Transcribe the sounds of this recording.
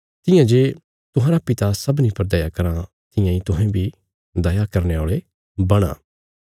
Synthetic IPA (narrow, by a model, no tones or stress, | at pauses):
t̪ɪjãd͡ʒeː | t̪ʊɦãːɾapɪt̪asɐbnipɐɾd̪ɐjakɐɾã | t̪ɪjãĩt̪ʊɦɛ̃bʱi | d̪ɐjakɐɾneaːɭe | bɐɽ̃ã̰ː